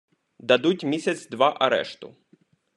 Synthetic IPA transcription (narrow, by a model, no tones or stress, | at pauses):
d̪ɐd̪utʲmʲisʲɐt̪sd̪ʋaʔɐɾɛ̰ʂt̪ʊ̰